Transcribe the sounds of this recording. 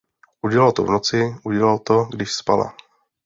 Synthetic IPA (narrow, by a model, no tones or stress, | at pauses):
ʔuɟɛlalt̪o̰vnot͡sɪʔuɟɛlalt̪oɡdɪʃspala̰